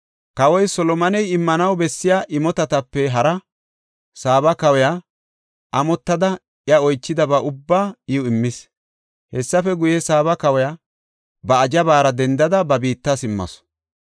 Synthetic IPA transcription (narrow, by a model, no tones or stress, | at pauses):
kɐwɔjsɔlɔmɐnɛjɪmːɐnɐwbɛsːɪjaːʔɪmɔt̪ɐt̪ɐpːɛɦɐɾɐ | saːbɐkɐwɛja | ʔɐmɔt̪ːɐd̪ɐ | jɐɔjt͡ʃːɪd̪ɐbɐʔʊbːaːɪʊɪmːɪs | hɛsːɐfɛɡʊjɛsaːbɐkɐwɛja | bɐːd͡ʒɐbaːɾɐd̪ɛnd̪ɐd̪ɐbɐbiːt̪ːasɪmːɐ̰sɔ̥